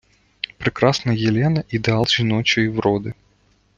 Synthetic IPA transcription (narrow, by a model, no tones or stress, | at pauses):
pɾɨkɾasnɐjɛlʲɛnɐʔid̪ɑlˠʒinɔt͡ɕɪivɾɔd̪ɨ